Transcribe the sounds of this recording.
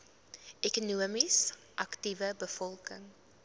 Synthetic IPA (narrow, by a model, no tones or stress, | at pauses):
ʔekunuəmis | ʔɐktivəbəfɔlˠkəŋ